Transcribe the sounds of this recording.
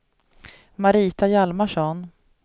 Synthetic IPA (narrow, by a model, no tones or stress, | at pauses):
maɾiːt̪ajalmaʂɔn